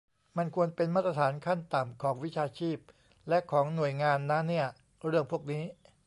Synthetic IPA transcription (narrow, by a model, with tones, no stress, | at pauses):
ma˧nkʰu˧ənpe˧nmaː˥˩t̪ɾa˧t̪ʰaː˩˦nkʰa˥˩nt̪a˨˩mkʰɔː˩˦ŋwi˦˥t͡ɕʰaː˧t͡ɕʰiː˥˩p̚ | lɛ˦˥ʔkʰɔː˩˦ŋnu˨˩əjŋaː˧nːa˦˥ni˥˩ɐ | ɾɯ˥˩əŋpʰu˥˩ək̚niː˦˥